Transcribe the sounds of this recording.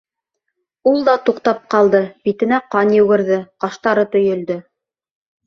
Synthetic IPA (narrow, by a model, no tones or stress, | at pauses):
ulˠd̪ɑt̪uqt̪ɑp̚qɑlˠd̪ɤbit̪ɘ̆næqɑnjɵ̆ɡɘ̆ɾðɘqɑʃt̪ɑɾɤt̪ɵ̆jɵ̆ld̪ɘ